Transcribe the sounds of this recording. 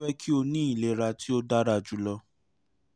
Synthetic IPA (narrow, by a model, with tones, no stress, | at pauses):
ɛ˦kʰi˦o˧nĩ˦i˦˨le˨˦˨ɾa˧ti˦o˦da˦ɾa˧˨d͡ʒu˦lɔ˧